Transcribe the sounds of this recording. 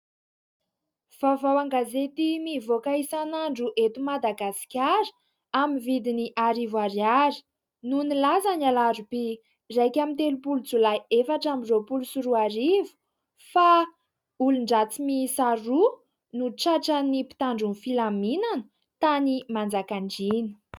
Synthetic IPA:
v̥avawaŋɡazet̪imivokaisanaɳɖ͡ʐuʔet̪umad̪aɡasi̥kʲaɾə̥ | amivid̪iniʔaɾivaɾiaɾi̥ | nunilazanalaɾupi | rajkʲamint̪elupulut͡sulajefaʈ͡ʂamizopulusuɾuaɾivu̥ | fa | uluɳɖ͡ʐat͡simisaɾu | nuʈ͡ʂaʈ͡ʂanipi̥t̪aɳɖ͡ʐunfilaminanə̥ | t̪animand͡zakaɳɖ͡ʐinu̥

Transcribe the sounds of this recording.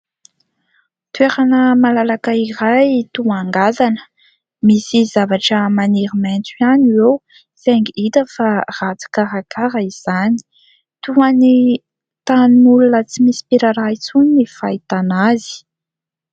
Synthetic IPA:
t̪ueɾanəmalalakaiɾajt̪uaŋɡazanə̥ | misizavaʈ͡ʂəmaniɾiment͡sianiwew | seŋɡiit̪əfarat͡su̥kaɾakaɾaiz̥ani̥ | t̪uani | t̪animulunət͡simisi̥piɾaɾait͡suninifajt̪anazi̥

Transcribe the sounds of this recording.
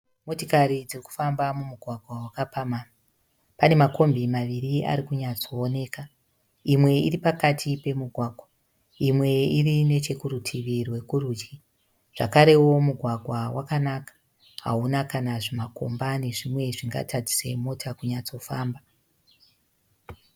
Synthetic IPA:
mo̞tokaɾid͡ziriku̥fambamumuɡʱwaɡʱwawakapama | pane̞mako̞mbimaʋiria̰ɾikuɲat͡so̞ːne̞ːka | imwe̞iripakatʰipe̞muɡʱwaːɡʱwa | imwe̞irine̞t͡ʃe̞kurutʰiʋirwe̞kuɾuːd͡ʒi | ʐ̥a̰kaɾe̞wo̞muɡʱwaɡʱwawakanakḁ | ɦa̰unakanaʐimako̞̰mbane̞ʐimwe̞ʐiŋɡa̰tʰad͡zi̥sḛmo̞tʰakuɲat͡so̞faːmba

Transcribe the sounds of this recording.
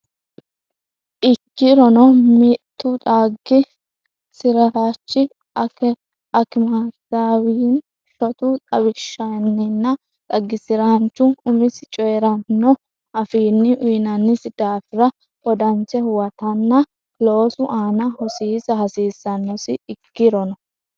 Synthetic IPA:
ʔɪkːɪɾɔnɔmɪt̪ːʊt̪ʼaːɡːɪ | sɪɾɐhaːt͡ʃːɪ | ɐkɛ | ɐkɪmasawiːn | ʃɔt̪ʊt̪ʼɐbɪʃːɐnːɪnːɐ | t̪ʼɐɡːɪsɪɾɐhɐnt͡ʃːʊʊmɪsɪt͡ʃʼɔjɛɾɐnːɔ | ɐfiːnːɪʔʊjnɐnːɪsɪd̪̥aːfɪɾɐ | ʔɔd̪ɐnt͡ʃɛhʊwɐt̪ɐnːɐ | lo̞ːsʊʔaːnɐhɔsiːsɐhɐsiːsːɐnːɔsɪɪkːɪɾɔnɔ

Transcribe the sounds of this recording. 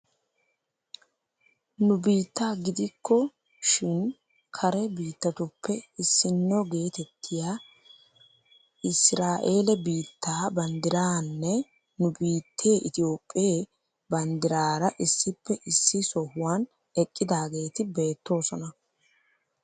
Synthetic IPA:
nʊbiːt̪ːaːɡɪd̪ɪkʰːɔ | ʃɪn | kʰɐɾɛbiːt̪ːɐt̪ʊpːɛɪsːɪnːɔɡe̞ːt̪ɛt̪ʰːɪja | ʔɪsɾaːʔe̞ːlɛbiːt̪ʰːaːbɐnd̪ɪɾaːnːɛ | nʊbiːt̪ʰːeːʔɪt̪ɪjo̞ːpʼːɪeː | bɐnd̪ɪɾaːɾɐʔɪsːɪpːɛʔɪsːɪsɔhʊwaːn | ɛkʼːɪd̪aːɡe̞ːt̪ɪbe̞ːt̪ːo̞ːsɔnɐ

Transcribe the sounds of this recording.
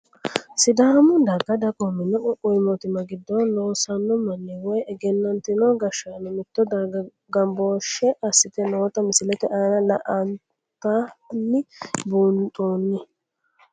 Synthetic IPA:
sɪd̪aːmʊd̪ɐɡɐd̪ɐkʼomɪnɔʔɔkʊjmɔt̪ɪmɐɡɪd̪ːɔloːsɐnːɔmɐnːɛwɔjɛɡɛnːɐnt̪ɪnɔɡɐʃanɛmɪt̪ːɔd̪ɐ | ɡɐmbo̞ːʃːɛʔɐsːɪt̪ɛnoːt̪ɐmɪsɪlɛt̪ɛʔaːnɐlɐʔɐn | t̪anːɪbuːnt̪ʼoːnːɪ

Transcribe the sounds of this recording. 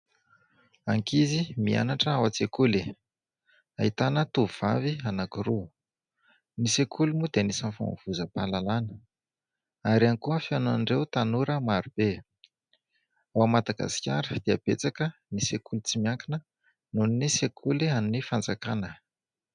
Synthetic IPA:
aŋkizimia̰naʈ͡ʂəawat͡sekuli | ait̪anət̪uvuv̥avianakiɾu | nisekʰulimud̪enisənfa̰mv̥uzəpalalanə | aɾiankuəfianaɳɖ͡ʐewt̪anuɾəmaɾub̥e | awamad̪aɡa̰si̥kʲa̰ɾəd̪̥eəb̥ḛt͡sakənisekʰulit͡simiaŋkinə | nuninisekʰulianinifand͡zakanə

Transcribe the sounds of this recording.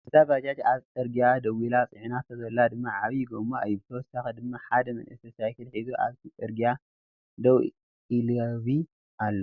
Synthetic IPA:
ɨzaβad͡ʒat͡ʃ̪aβtʼɨɾɡiad̪ɐwilat͡sʼiʕnat̪ʰɐzɐlːad̪ɨmːaʕaβiɡomajːubɨt̪ʰɐwɔsːaxɐd̪ɨmːaħad̪ɐmɐ̰nʔɨsɐsajkɨlħizuʔa̰βt̪ʰit͡sʼɨɾɡia | d̪ɐw | ilɐβi | ʔalːo

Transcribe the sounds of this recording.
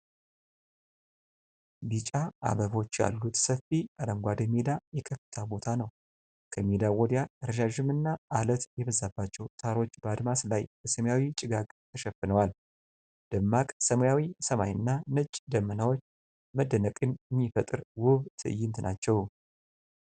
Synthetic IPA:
bit͡ʃʼaʔa̰βəβo̞t͡ʃːja̰lːut̪səfːiʔad̪əmɡʷad̪əmed̪ajɛkʰəfːɨt̪ʰabo̞t̪ʰanəw | kʰəmed̪awɔd̪jaɨɾʃaʒɨmɨnːaːlət̪jɛβəzːabːat͡ʃːɛwt̪ʰaɾo̞t͡ʃːbəad̪maslajb̥əsəmjawit͡ʃʼɪɡaɡʼt̪ʰəʃɛfːɨnəwal | d̪̥əmːakʼsəməjawisəmajɨnːanɨt͡ʃʼd̪əmːənawo̞t͡ʃː | məd̪ːənəkʼɨnɨmːifət̪ʼɨɾwʊβt̪ʰɨʔɨjɪnt̪nʔa̰t͡ʃːɛw

